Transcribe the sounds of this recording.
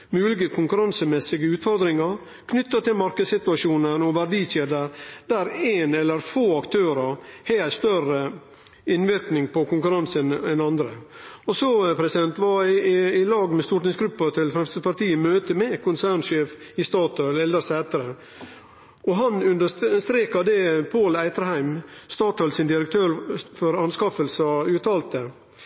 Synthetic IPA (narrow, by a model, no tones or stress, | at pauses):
mʉːlɪɡəkʰʊŋkʉɾɑnsəmɛsɪɡəʉːt̪fɔɾd̪ɾɪŋɑɾ | kʰnʏt̪ːət̪ɪlmɑɾkəsɪt̪ʉɑʂuːnənɔʋæɖiːçeːd̪əɾd̪æɾeːnɛlːəɾfoːɑkt̪ʰøːɾəɾheːæst̪œɾə | ɪnːʋɪɾknɪŋpɔkʊŋkʉɾɑnsənɛnɑnd̪ɾə̰ɔsɔpʰɾɛsɪd̪ɛnt̪ʋɑɪɪlɑːɡmɛst̪uːʈnɪŋsɡɾʉpːɑt̪ʰɪlfɾɛmst̪əpɑɾt̪iːəmøːt̪əmɛkʊnsæːɳʂeːf | ɪst̪ɑːt̪œlɛld̪əɾsæːt̪əɾə | ʔɔɦɑnʉnd̪əst̪ɾeːkɑd̪ɛpʰoːlæɪt̪əɾhæɪmst̪ɑːt̪œlsɪnd̪ɪɾək̚t̪ʰøːɾfɔɾɑnskɑfəlsɑʉːt̪ʰɑːlt̪ə